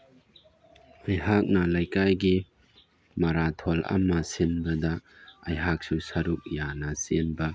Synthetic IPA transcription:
ɐjɦak̚nɐlɐjkajɡi | mɐɾat̪ʰɔlɐ̰mːɐsinbɐd̪ɐ | ɐjɦak̚susɐɾuk̚janɐsenbɐ

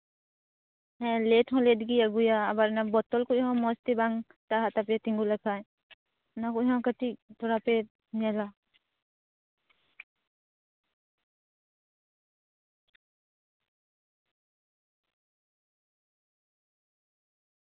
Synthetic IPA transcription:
ɦɛ̃letʰɦɔ̃led̪ɡijaɡujaːbaɾnabɔt̪ɔlkuɦɔ̃mɔst̪ibaŋ | t̪aɦat̪apjat̪ĩŋɡulakʰaj̃ | nakuɦɔ̃kətit̪ɔɾape | nɛla

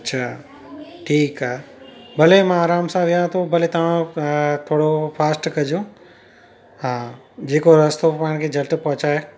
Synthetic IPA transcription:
tːʃʰaː | ʈʰiːkaːbɐlemãaːɾaːmsãʋijãt̪ʰõbʱɐlet̪ɐʋ̤ãt̪ʰoːɽopʰaːsʈkɐd͡ʒõ | ɦãː | d͡ʑeːkoɾɐst̪opaːɽ̃kʰed͡ʒʱɐlʈpɐ̃ɦʊ̃t͡ʃaɦe

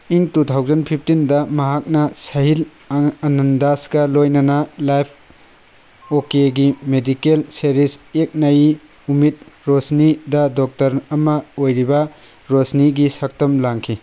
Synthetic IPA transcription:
iŋtutʰawzɐnpʰip̚ʰtindɐmɐɦak̚nɐsɐɦil | ɐnɐndasɡɐlojnɐnɐlajpʰ | okeɡimedikelseɾisek̚nɐj | umit̚ɾosnidɐdɔk̚tɐɾɐmɐojɾibɐ | ɾosniɡisɐk̚tɐmlaŋkʰi

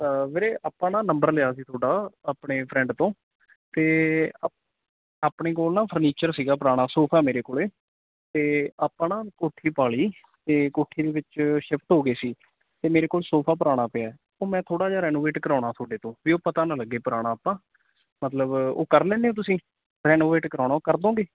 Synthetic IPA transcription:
əʋeːɾeːʔaːpãːnãːnəmbəɾlɪjaːs̬iːt̪ʰoːɖaːaːpɳeːpʰɾɛ̃ːɳɖt̪õː | t̪eː | aːpɳeːkoːlnaːpʰəɾniːt͡ʃəɾsiːɡaːpəɾaːɽ̃aːsoːpʰaːmeːɾeːkoːleː | t̪eːaːpãːnãːkoːʈʰiːpaːɭiː | t̪eːkoːʈʰiːd̪eːʋɪt͡ʃʃɪpʰt̪ɦoːɡeːsiː | t̪eːmeːɾeːkoːlsoːpʰaːp̬əɾaːɽ̃aːpɪaːɛ | oːmɛ̃ːt̪ʰoːɽaːd͡ʒaːɾɛːnoːʋeːʈkəɾãːɽaːt̪ʰoːɖeːt̪õːʋiːoːpət̪aːnaːləɡːeːpəɾaːɽ̃aːpãː | mət̪ləbo̰ːkəɾlɛ̃ːneːõːt̪̬ʊsĩː | ɾɛːnoːʋeːʈkəɾãːɽ̃aːkəɾd̪õːɡeː

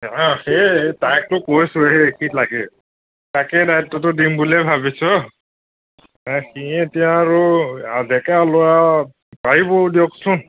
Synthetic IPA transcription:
ãxetajk̚tʊkosʊekitlaɡɛ | takɛdajtːɔtʊdimbulɛbʱabisɔ | xietijaːɹʊadʱɛkalʊja | paɹibɔdijɔksʊn

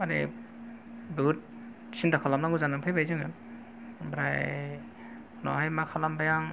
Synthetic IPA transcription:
anɛ̰ | beɦut̚ | sintakʰɔlamnaɡuzanaŋpʰajbajzanan | bɾa̰j | nɔ̰ɦajmakʰalambajaŋ

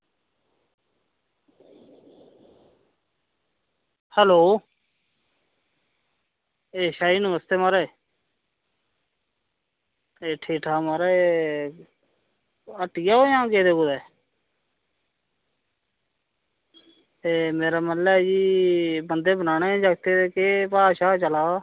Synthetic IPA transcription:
hɛːloː | eːʃaːiːnũməst̪eːmaːɾeː | eːʈʰiːʈʰaːmaːɾeː | əʈijaːoːjãːkeːd̪eːɡʊd̪ɛː | eːmeːɾaːməlaɛːd͡ʒiːbənd̪eːbənaːnẽːd͡ʒaɡ̚t̪eːd̪eːkeːpaːʃaːt͡ʃəlaː

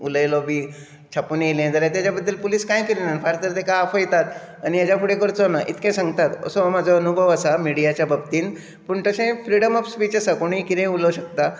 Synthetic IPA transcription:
uləjlɔbʱiː | t͡ɕʰapunlẽd͡z̪əɾat̪jat͡ɕjabəd̪ʱːəlpuliːskãjkiɾenanfaɾt̪əɾt̪ekaafɔjt̪at̪ | anijad͡ʑapʰuɽẽkəɾt͡sɔnaʔḭt̪ʰkẽsãŋɡt̪at̪ə̰sɔmad͡zʱɔənubʱəʋəsamiɽijat͡ɕjabəb̚t̪iːn | puɳt̪əsẽfɾiɽəməfspit͡ɕəsakoɽ̃ĩkiɾẽuləɕək̚t̪a

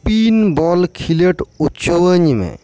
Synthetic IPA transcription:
pinbɔlkʰileʈut͡ʃuwəɲimḛ

